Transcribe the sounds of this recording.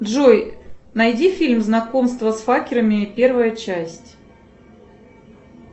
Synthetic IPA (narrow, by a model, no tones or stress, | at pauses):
dʐojnɐjdʲifʲilʲmznɐko̞mst̪vəsfakʲɪɾəmʲɪpʲe̞rvəjət͡ɕæsʲtʲ